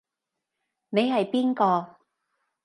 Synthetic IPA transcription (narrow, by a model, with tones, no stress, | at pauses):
ne˨˧jɦɐ˨jpiː˥nkɔː˧